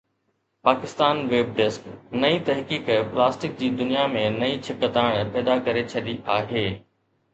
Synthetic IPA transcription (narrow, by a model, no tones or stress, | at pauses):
paːkɪst̪aːnʋeːb̚ɖɪsknɐĩt̪ɐɦkiːkplaːsʈɪk̚d͡ʑiːd̪ʊnijamẽnɐĩt͡ɕʰɪkət̪aːɪɽ̃pɛːd̪akɐɾet͡ɕʰɐɗiʔaːɦeː